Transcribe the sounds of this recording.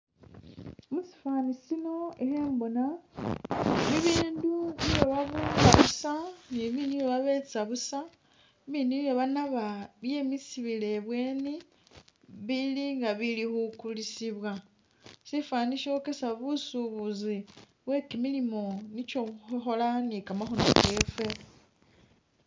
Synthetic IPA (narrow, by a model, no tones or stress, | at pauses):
musi̥faːnisino̞exeːmbo̞na | niβiːndunijeβaβuaβusaniβinioβaβe̞t͡saβusa | βinijeβanaβaβje̞misiβile̞βweːni | βiliŋɡaβilixukulisiβwa | sifwaːniʃoke̞saβusuβuzi | βwe̞kimilimo̞nit͡ʃouxuxo̞lanikamaxunoke̞fwe̞